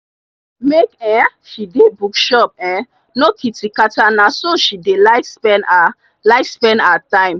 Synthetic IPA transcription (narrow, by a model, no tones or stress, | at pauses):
mekɛ̃ʃidebukʃɔp̚ɛ̃ | nokʰitikatanãsoʃidelaɪfspɛna | laɪfspɛ̃ndatãɪ̃m